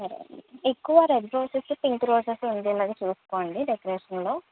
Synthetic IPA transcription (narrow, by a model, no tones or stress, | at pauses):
sɐɾḛekːuʋɐɾeɖɾoːsislupiŋkɾoːsesund̪iɐlaːɡeːt͡ʃuːsu̥ko̞ːɳɖiɖekɐɾeːʂɐnlo̞ː